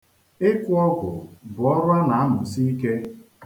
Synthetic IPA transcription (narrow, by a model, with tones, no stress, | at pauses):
ɪ˦kʊ˦ɔ˦ɡʷʊ̰˨bʊ˨ɔ˦ɾʊ˦a˦na˨a˦mʊ˨si˦i˦ke˦